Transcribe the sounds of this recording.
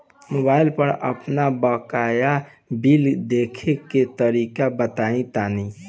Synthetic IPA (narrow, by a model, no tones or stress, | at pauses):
mobailpəɾə̰pnabəkaja | bild̪ekʰeket̪əɾikabət̪aĩt̪ani